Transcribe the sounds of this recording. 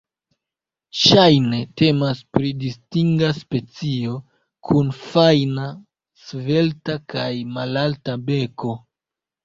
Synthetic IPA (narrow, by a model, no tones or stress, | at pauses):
ʃajne̞te̞maspɾidistiŋɡaspe̞t͡sio̞ | kʰunfajna | sve̞ltakajmalaltabe̞ko̞